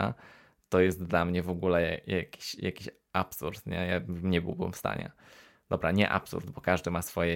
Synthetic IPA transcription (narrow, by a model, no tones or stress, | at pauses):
a̰ | t̪ɔjɛst̪̚d̪lamɲɛvɔɡulɛjajakʲi̥ɕja̰kʲiɕ | apsuɾt̪ɲɛjamɲɛbɨ̰wbɘ̰mfst̪a̰ɲɛ̰ | d̪̥ɔbɾaɲɛʔa̰psṵɾd̪bɔkaʐd̪ɘmasfɔjɛ